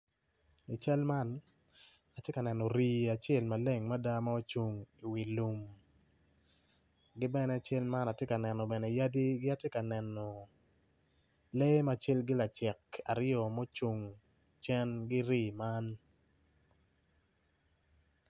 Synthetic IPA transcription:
i˨t͡ʃa˦lma˦n | a˨tje˦ka˨nɛ˨nɔ˨ɾi˦a˨t͡ʃe˦˨lma˨le˦˨ŋma˦da˦ma˦o˦t͡ʃu˨ŋi˨wi˨lu˨m | ɡɪ˦bɛ˦nɛ˦˨t͡ʃe˦lma˦na˨tje˦ka˨nɛ˨nɔ˨bɛ˨nɛ˨ja˦di˦ɡɪ˦a˦tjɛ˦ka˨nɛ˨nɔ˨ | le˦ma˦˨t͡ʃe˦lɡɪ˦la˨t͡ʃɛ˨ka̰˨ɾɪjɔ˨mo˦t͡ʃu˨ŋ | t͡ʃɛ˦nɡɪ˦ɾiː˦˨ma˦n

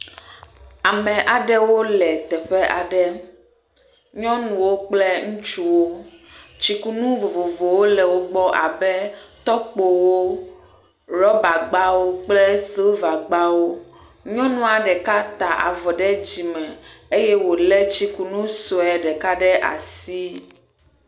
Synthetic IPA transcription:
a˨mɛ̃˨ʔa˨ɖɛ˦wo˦lɛ˨t̪ɛ˨ɸɛ˦ʔa˨ɖɛ˦ | ɲɔ̃˦nũ˨wo˦k͡plɛ˦ŋũ˦t͡ʃu˦wo˦t͡ɕi˦ku˦nũ˦vo˨vo˨vo˨wo˦lɛ˨wo˦ɡ͡bɔ˦ʔa̰˨bɛ˦t̪ɔ˦k͡po˨wo˦ | ɾɔ˦ba˨ɡ͡ba˦wo˦k͡plɛ˦se˦va˨ɡ͡ba˦wo˦ | ɲɔ̃˦nũ˦a˨ɖɛ˨ka˦t̪a˨ʔa̰˨vɔ˨ɖɛ˦d͡ʑi˨mɛ̃˨e˦jɛ˦wo˨lɛ˦t͡ɕi˦ku˨nũ˦so˨ɛ˨ɖɛ˨ka˦ɖɛ˦ʔa̰˨si˦

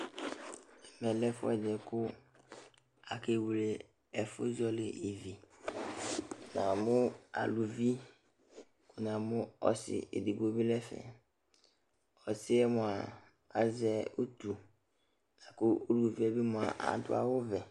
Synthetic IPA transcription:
ɛ˨mɛ̃˨lɛ˦fʊ̰˦ɛ˨dɛ˨kʊ˦ | a˨ke˦wu˨le˨ | ɛ˨fʊ˦zɔ˦lɪ˨e˨vi˨ | nã˨mʊ̃˦a̰˨lu˨vi˦ | kʊ˨nã˨mʊ̃˦ɔ̰˦sɪ̰˨ʔḛ˨de˨bo˦bi˦lɛ˦fɛ̰˨ | ɔ˨sɪ˦ɛ˦mʊ̃˨a˨ | a˨zɛ˦o˦t̪u˨ | nã˨kʊ˦o˦lu˨o˨vi˦ɛ˦bi˦mʊ̃˨a̰˨ʔa̰˨d̪ʊ̰˦a̰˨wʊ˦vɛ˨

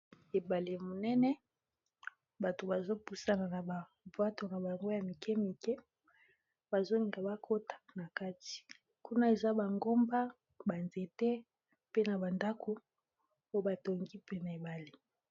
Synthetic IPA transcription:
e˨ba˨le˨mo˨nɛ˦nɛ˦ | ba˨to˨ba˨zo˦pu˨sa˦na˨na˨ba˨ | vwa˦to˨na˨ba˨ŋɡo˦ja˨mi˨kɛ˦mi˨kɛ˦ | ba˨zo˦li˨ŋɡa˨ba˦kʰo˦tḁ˨na˨ka˦ti̥˨ | ku˦na˦e˨za˦ba˨ŋɡo˦mba˦ | ba˨nze˨tɛ˦ | pe˦na˨ba˨nda˦kʰo˨ | o˦ba˨to˨ŋɡi˦pe˦na˨e˨ba˨le˨

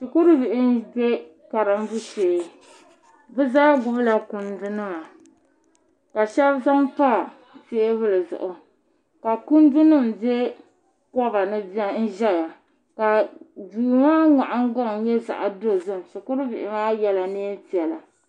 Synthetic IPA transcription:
ʃi˨kʊ˦ɾɨ˦vɪ˨ʔɪ˦n˦be˦ | ka˨ɾɨ˨m˦bu˦seː˨˦ | bɨ˦zaː˦ɡʊ˦bla˨kʊ˦ndʊ˦nɨ˦ma˨ | ka˨ʃɛ˦bza˦mpa˦˨ | seː˦vɨ˦lɨ˨zʊ̰˨ʔʊ˨ | ka˨kʊ˦n˦dʊ˦nɨ˦˨mbe˦ | kɔ˦ba˨nɨ˦n̩˦ʒɛ˦ja˨ | ka˨duː˨maː˦ŋa˨ʔa˦ŋ˦ɡa˦˨ŋ˨jɛ˦za̰˨ʔa˨do˦zɨ˦m˨ʃi˨kʊ˦ɾɨ˦vɪ̰˨ʔɪ˦maː˦jɛ˦la˨neː˦n˦ti˨ɛ˨la˨

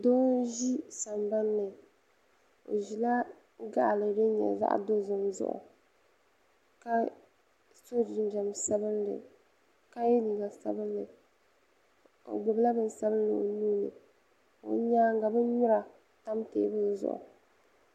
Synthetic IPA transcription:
dɔː˦ʒi˦sa˨mba˦n˦lɨ˨ | o̰˨ʒi˨la˦ | ɡa˦ʔlɨ˨dɨ˦ɲɛ̰˨za̰˦ʔdo˦zʊ˨mzʊ̰˦ʔʊ̰˨ | ka˦ | so˦d͡ʒi˨˦n˦d͡ʒɛ˨msa˦bɨ˦nlɨ̰˨ | ka˦jɛ˦ni˨ŋa˨sa˦bɨ˦nlɨ˨ | o̰˨ɡ͡bɔ˨bla˦bɨ˦n˦sa˦bɨ˦n˦lɨ˨o˨nuː˦nɨ̰˨ | o̰˨ɲaː˦ŋ˦ɡa˨bɨ˦ɲʊ˦ɾa˨ | ta˦mtḛː˦bɨ˦zʊ̰˦˨ʔʊ̰˨

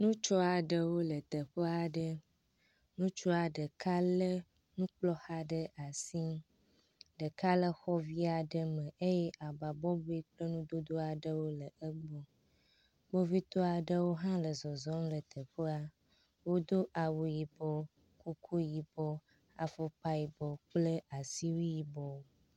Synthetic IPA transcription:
nũ˦t͡ʃɔ˦a˨ɖə˦wo˦lə˨t̪ə˨ɸə˦a˨ɖə˦ | nũ˦t͡ʃɔ˦a˨ɖə˨ka˦lə˦ | nũ˦k͡plɔ˦ha˦ɖə˦ʔa˨si˦ | ɖə˨ka˦lə˦xɔ˦vi˦a˨ɖə˦mə̃˨ʔe˦jɛ˦ʔa˨ba˨bɔ˦bo˦i˦k͡plə˦nũ˦d̪o˦d̪o˦a˨ɖə˦wo˦lə˨ə˦ɡ͡bɔ˦ | ɡ͡bo˦vi˦t̪ɔ˦a˨ɖə˦wo˦ɦã˦lə˨zɔ˨zɔ˦m˦lə˨t̪ʰə˨ɸə˦a˦ | wo˦d̪o˦ʔa˨wu˨ji˨bɔ˦ | ku˦kʰu˦ji˨bɔ˦ | a̰˨fo˦pa˦ji˨bɔ˨k͡plə˦ʔa˨si˦wi˦ji˨bɔ˦wo˦

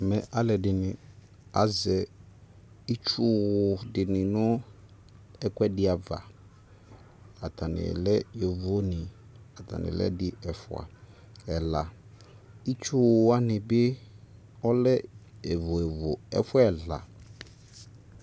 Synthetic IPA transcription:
mɛ˨ʔa˦lɛ˨dɪ˨nɪ̃˨ | a˨zɛ˨ | i˦t͡ʃu˦dɪ˨nɪ̃˨nʊ̃˦ | ɛ˦kwɛ˦dɪ˦a˨va̰˨ | a˨tʰa˨nɪ̰˨lɛ˦jɛ˨vo˦nɪ̃˨a˨t̪ʰa̰˨nɪ̰˨lɛ̰˦dɪ˦ɛ˨fʊ̰˨a̰˨ | ɛ˨la˨ | i˦t͡ʃʊ˦a˦nɪ̃˨bɪ˦ | ɔ˦lɛ˦ɛ˨vʊ˨ɛ˨vo˨ɛ̰˦fʊ˦ɛ˨la̰˨

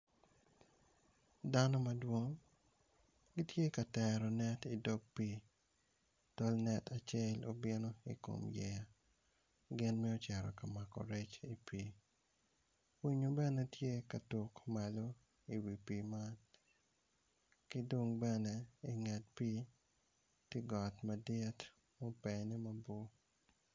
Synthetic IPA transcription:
da˦nɔ˦ma˦dwo˦ŋ | ɡi˦tje˦ka˨tɛɾɔ˨nɛ˦ti˨dɔ˦ɡ̚pi˦ | tɔ˦lnɛ˨tʰa˨t͡ʃe˦lo̰˨bɪ˦no˦ḭ˨ko̰˨mjɛ˦ja˨ | ɡɪ˦nmɛ˦o˦t͡ʃɛ˨ɾɔ˨ka˨ma˨kɔ̰˨ɾɛ˦t͡ʃi˨pi˨ | wi˦ɲo˦bɛ˦nɛ˦tje˦ka˨tu˨kma˨lo˦ | i˨wi˨pi˨ma˦n | ki˦do˦ŋbɛ˦nɛ˦i˨ŋɛ˨t̚pi˦ | tɪ˦ɡɔ˨tma˨dɪ˦t | mo˦pɛ˨ni˦ma˦bo˦

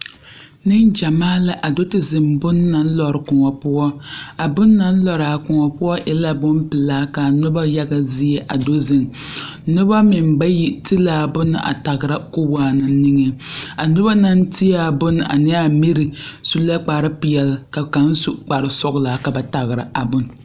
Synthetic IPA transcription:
nɨ˦nd͡ʒa˨maː˦la˨˦ʔa˨do˦tɨ˨zɨ˨mbʊ˦nː˦a˨n̩˦lɔ˨ɾɨ˨kʊ˨ŋɔ˨pʊ˦ɔ˦a˨bʊ˦nːa˦n̩˦lɔ˨ɾa˨kʊ˨ŋɔ˨pʊ˦ɔ˦ʔɪ˦la˦bʊ˦m˦pɨ˨laː˦ka˨a˨nʊ˦ba˦ja˦ɡa˦zi˦jɛ˦ʔa˨do˦zɪ˦˨n | nʊ˦ba˦mɪ˨mba˦ji˦ti˦laː˨˦bʊ˦n˦ʔa̰˨ta˨ɣɾa˦ko˦waː˦nɨ˨˦ni˦ŋe˦a˨nʊ˦ba˦na˦n˦ti˦ja˦˨bʊ˦n˨a̰˨nɛ˦a˦mi˦ɾɨ˨su˦la˦k͡pa˨ɾɨ˦pɪ˨jɛ˨lka˨ka˨n˦su˦k͡pa˨ɾɨ˨sɔ˦ɡla˨˦ka˨ba˨ta˨ɣɨ˨ɾa˨ʔa˨bʊ˦n˨

